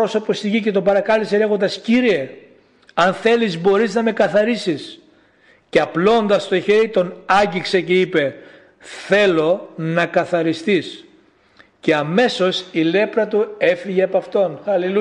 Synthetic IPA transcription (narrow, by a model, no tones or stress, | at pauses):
o̞so̞po̞st̪iʝice̞t̪o̞bɐɾɐkɐliseeɣo̞nd̪ɐsciɾie̞ | ɐnθe̞lizbo̞ɾiznɐme̞kɐθɐɾisis | ceɐplo̞nd̪ɐst̪o̞çe̞ɾit̪o̞nɐɲɟikse̞ce̞ipe̞ | θe̞lo̞nɐkɐθɐɾist̪is | ce̞ɐme̞so̞sile̞pɾɐt̪ue̞fiʝeɐpɐft̪o̞nɐlil